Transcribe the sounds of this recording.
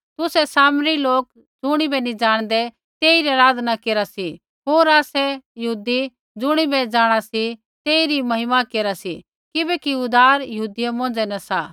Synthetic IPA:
t̪ʊsɛsaːmɾiloːk | d͡zʊɽ̃ibɛnid͡ʒaːɽ̃d̪ɛ | t̪eːiɾiaɾaːd̪ʱnakeːɾasi | ɦoːɾaːsɛjɐɦuːd̪i | d͡zʊɽ̃ibɛd͡zaːɽ̃asi | t̪eːiɾimɐɦɪmakeːɾasi | kɪbɛkiʊd̪aːɾjɐɦuːd̪ijɛmɔ̃ːn̆d͡zɛnɐsa

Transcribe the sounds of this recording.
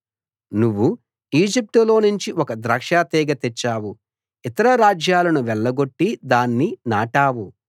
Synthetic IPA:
nuʋːu | iːd͡ʒip̚ʈulo̞ːnuɲt͡ʃiʔɔkɐd̪ɾɐːkʂaːt̪ɛːɡɐt̪ɛt͡ʃːaːwu | it̪ɐɾɐɾaːd͡ʒjaːlɐnuʋɛɭːɐɡo̞ʈːid̪aːnːinaːʈaːwu

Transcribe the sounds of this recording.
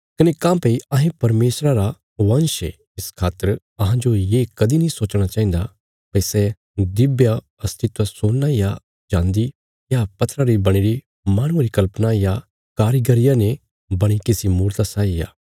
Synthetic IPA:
kɐnekãːpɐiɐɦẽpɐɾmeːsɾaɾa | ʋɐ̃nʃe | ɪskʰaːt̪ːəɾ | ɐɦãd͡ʒojeːkɐd̪inĩsoːt͡ʃɽ̃at͡ʃaːɦĩːnd̪a | pɐisɛ | d̪ɪbja | ɐst̪ʰɪt̪ʋasoːaja | d͡ʒãːnd̪i | japɐt̪ʰːɾaɾibɐɽ̃iɾi | maːɽ̃ũaɾikɐlpnaja | kaːɾiɡəɾɪjãne | bɐɽ̃ikɪsimuːɾt̪asaːija̰ː

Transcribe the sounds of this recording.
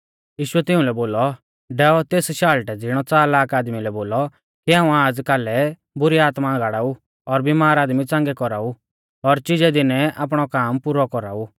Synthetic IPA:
jiːʃʊɛt̪ɪʊ̃lɛboːlɔ | ɖɛːɔt̪eːsʃaːlʈɛd͡zɪɽ̃ɔt͡saːɾlaːkaːd̪milɛboːlɔ | kiãːũaːd͡zkalɛ | bʊɾiaːt̪maɡaːɽaːu | ɔɾbimaːɾaːd̪mit͡sãːŋɡɛkɔɾaːu | ɔɾt͡ʃɪd͡ʒɛd̪ɪnɛʔa̰ːp̬ɽ̃ɔkaːmpʊɾɔkɔɾa̰ːu

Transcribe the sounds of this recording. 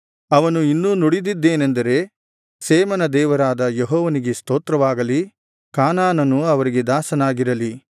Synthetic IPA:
ɐʋɐnuinːuːnuɽid̪id̪ːe̞ːnend̪ɐɾe̞ | seːmɐnɐd̪ɛːʋɐɾaːd̪ɐjeɦɔːʋɐniɡe̞st̪oːt̪ɾɐʋaːɡɐli | kaːnaːnɐnuɐʋɐɾiɡe̞d̪aːsɐnaːɡiɾɐli

